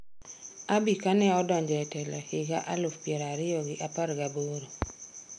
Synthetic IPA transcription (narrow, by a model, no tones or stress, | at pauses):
abikanɛɔdɔɲd͡ʒɔɛtɛlɔhɪɡa̰ʔalʊfpjeɾaɾɪjɔɡɪʔaparɡaboɾo